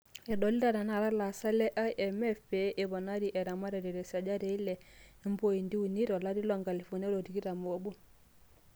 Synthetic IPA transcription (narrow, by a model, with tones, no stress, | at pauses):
ɛ˨ɗɔ˨li˦ɾa˨ɾa˨na˨ɾa˦la˨sa˦lɛ˦ʔa˦ʔɛ˨mɛ˦fe˨ʔe˨bɔ˨na˦ɾi˨ʔɛ˨ɾa˨ma˦ɾɛ˨ɾi˨ɾɛ˨sa˨d͡ʒa˦ɾe˨˦i˦lɛ˨˦mbo˦i˨ndi˦u˨ni˦ɾɔ˨la˦di˦lɔ˨ŋɡa˨li˨fo˨n˦e˦ɾo˨ti˨ɡi˦ɾa˨m˨o˨bu˦